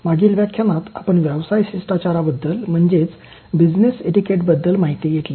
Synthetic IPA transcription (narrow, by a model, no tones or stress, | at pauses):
maɡiːlʋjakʰːjanat̪apəɳʋjɛʋsajɕisʈat͡ɕaɾabəd̪ːəlm̤əɳd͡zet͡s | bid͡zneseʈikeʈbəd̪ːəlmaɦit̪ijeʈ̪le